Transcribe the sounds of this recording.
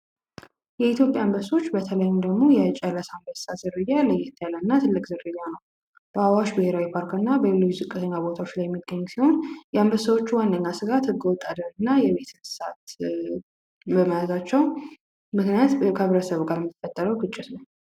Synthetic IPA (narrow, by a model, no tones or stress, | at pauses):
jɛit̪jo̞pʼja̰ːmbəso̞t͡ʃːbət̪ʰələjmd̪əɡmo̞jɛt͡ʃʼɛlːəsambəsazɨrːɨjaləjɛt̪ʰːjalənːat̪ʰɨlːɨkʼzɨɾːɨjːanəw | b̥əawaʃbɨhe̞ɾawipʰaɾkɨnːabəlelːot͡ʃːzɨkʼːɨt̪ʰəɲːabo̞t̪ʰawot͡ʃlajɛmːiɡːəɲːsiho̞njɛambəsawot͡ʃːuwanːəɲːasɨɡat̪hɨɡːəwɔt̪ʼːad̪əɾɨnːajɛβe̞t̪ɨsat̪ | bəməjazat͡ʃːɛw | mɨknijat̪kʰəhəβɾəsəβɡaɾjmt̪ɨfət̪ʼːəɾəwɡɨt͡ʃʼːɪt̪nəw